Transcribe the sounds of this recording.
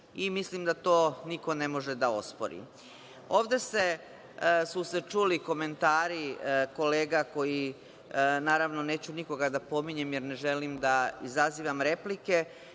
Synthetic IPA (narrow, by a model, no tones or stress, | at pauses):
imislimd̪at̪o̞ːniko̞ne̞mo̞ʒed̪ao̞spo̰ɾḭ | o̞ːʋd̪e̞se̞ | suse̞t͡ʃuːliko̞me̞nt̪aːɾiko̞leːɡako̞ji | naːɾaʋno̞ne̞ːt͡ɕuniko̞ɡad̪apo̞miɲe̞mjeɾneʒelimd̪aizaziːʋamɾe̞plike̞